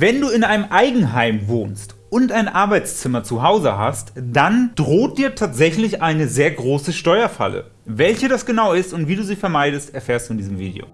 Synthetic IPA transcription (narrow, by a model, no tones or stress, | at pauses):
vɛnduːɪnʔaɪnəmʔaɪɡŋ̩ɦaɪmvoːnst | ʔʊntʔaɪnʔaɐbaɪt͡st͡sɪmɐt͡suɦaʊzə̰ɦa̰std̥and̥ʁoːt̚d̥iːɐtʰaːtz̥ɛçlɪçʔaɪnəzeːɐɡʁoːsəʃtɔʏɐfa̰lə̰ | vɛlçədasɡ̥ənaʊɪstʊntv̥iːduːziːfɛɐmaɪɾəstɛɐfeːɐstd̥uːɪndiːzəmvḭːdḛo̰ː